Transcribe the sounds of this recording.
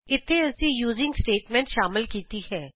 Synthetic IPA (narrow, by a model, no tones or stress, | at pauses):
ɪt̪ʰːeːəsĩːjuːzɪ̃ŋɡsʈeːʈmɛ̃ːɳʈʃaːmɪlkiːt̪iːhɛː